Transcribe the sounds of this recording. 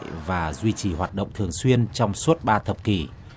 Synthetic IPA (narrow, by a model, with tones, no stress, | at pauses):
jvaː˨˩zwi˧t͡ɕi˨˩ɦwaː˨˩t̚ɗə̰˧˨wŋ͡mt̪ʰɨ˨˩əŋswi˧ənt͡ɕɔ˧wŋ͡msu˦˥t̚ɓaː˧t̪ʰə˨˩p̚ki˨˩